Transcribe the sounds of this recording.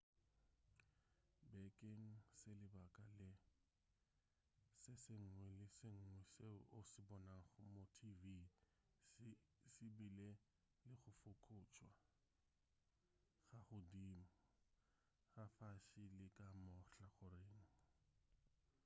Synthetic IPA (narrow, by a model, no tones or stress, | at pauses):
bɛkʼeŋ̩sɪlɪbakʼalɪ | sɪsɪŋ̩ŋwɛlɪsɪŋ̩ŋwɛseʊsɪbɔnaŋ̩χʊmotʰivi | sɪbile | lɪχʊfʊkʰʊːt͡ʃʼwa | ɣaχʊdimʊ | χafaʃilɪkʼamʊɬaχʊreːŋ̩